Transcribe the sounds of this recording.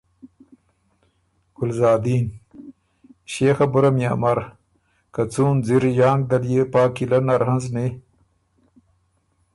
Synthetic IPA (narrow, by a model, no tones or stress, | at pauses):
ɡʊlzaːd̪iːn | ɕeːxɐbʊɾɐmja̰ːmɐɾ | kat͡suːnziɾjaːŋɡ̚d̪ɐljepaːkilɐnaɾhɐnzne